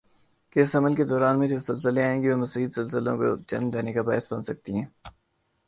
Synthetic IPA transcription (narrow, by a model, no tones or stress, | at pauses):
keɪsɐməlked̪ɔːɾaːnmẽt̪esɪlsəleaːẽːɡiʋemɐsiːd̪sɪlsɪlõ̰ko̰d͡ʒɐ̰nmd̪eːnekabaːəsbɐnsɐk̚t̪iɦɛ̃ː